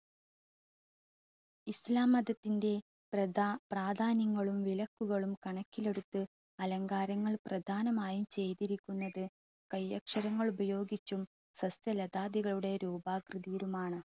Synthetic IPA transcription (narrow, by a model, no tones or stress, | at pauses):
islaːmɐd̪ɐt̪ːinde̞ | prɐdapraːd̪ʱaːnjɐŋːɐɭumʋilɐkːuɣɐɭumkɐɳɐkʲːile̞ɽut̪ːɨ | ɐlɐŋɡaːɾɐŋːɐɭprɐd̪ʱaːnɐmaːjumt͡ɕe̞jt̪iɾikʲːunːɐðɨ | kɐjːɐkʂɐɾɐŋːɐɭubɐjo̞ːɡit͡ɕːum | sɐst̪jɐlɐd̪aːd̪iɣɐɭuɽe̞ɾuːbaːkrɨðiːɾumaːɳɨ